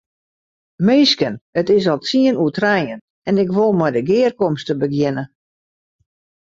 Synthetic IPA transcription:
meːskənətɪsɔlˠtiənuətrɛjən | ɛnɪkʋolˠmɔjdəɡɪərkɔmstəbəɡjɪnə

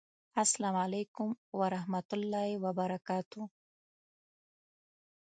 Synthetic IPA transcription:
aslamalejkʊmwaɾahmat̪ʊlːɑewabaɾakɑːt̪u

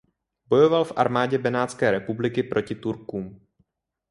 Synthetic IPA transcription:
bo̞jo̞valfʔa̰ɾmaːɟɛbɛnaːt̪t͡skɛːɾɛpublɪkɪpɾʔo̞cɪt̪uɾkuːm

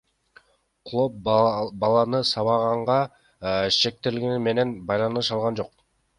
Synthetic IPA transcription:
qʰlˠop̚bɑlˠɑnɯsɑβɑʁɑɴʁɑ | ʃe̞k̚t̪e̞ɾlɡinime̞ne̞nbɑjlˠɑnɯʃɑlˠʁɑnd͡ʒo̞q̚

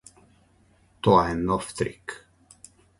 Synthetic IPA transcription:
t̪ɔaɛnɔft̪ɾḭk

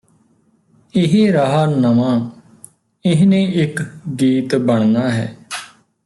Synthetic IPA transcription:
ɪɦeːɾaɦaːnəmãː | ɪɦnẽːʔɪkɡiːt̪bəɳ̃naːɦɛ̰ː

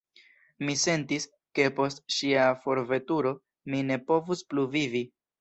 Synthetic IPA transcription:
mise̞ntis | ke̞po̞stʃiafo̞ɾve̞tuɾo̞ | mine̞po̞vuspluvivi

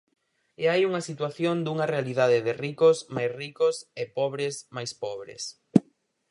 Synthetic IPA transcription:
eajuŋɐsit̪waθjond̪uŋɐrealiðaðɪðɪrikosmajsrikosɪpɔβɾɪsmajspɔβɾḛs

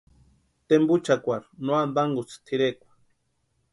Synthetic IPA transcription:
t̪embut͡ʃakʷaɾnwand̪aŋɡut͡st̪ʰiɾekʷḁ

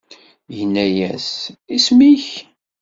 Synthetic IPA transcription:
jənːæjæsismiç

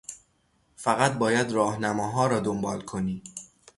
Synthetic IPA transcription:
fæɣæt̪̚ʰbɒːjæd̪ɾɒːhnæmɒːɦɒːɾɒːd̪ombɒːlkʰo̞niː

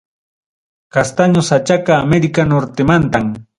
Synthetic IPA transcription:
kast̪aɲosat͡ʃakaːmeɾɪkanoɾt̪ɪmant̪am

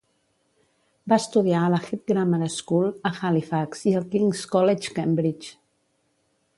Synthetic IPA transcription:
baəst̪uðiaələxip̚ɡɾaməɾaskulˠəxalifaksiəlˠkiŋskɔlet͡ʃkembɾit͡ʃ

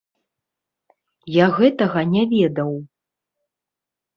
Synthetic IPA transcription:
jaɣɛt̪ɐɣɐnʲavʲɛd̪ɐw

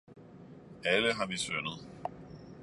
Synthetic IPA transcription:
æləɦɑ̈ʋisønəð̞̩ˠ

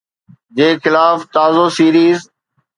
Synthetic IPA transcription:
d͡ʑeːxɪlaːft̪aːzoːsiːɾiːz

